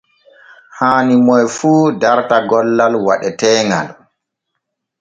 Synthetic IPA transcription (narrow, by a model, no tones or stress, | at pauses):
haːnimɔjfuːdaɾtaɡɔlːalwa̰ɗɛtɛːŋa̰l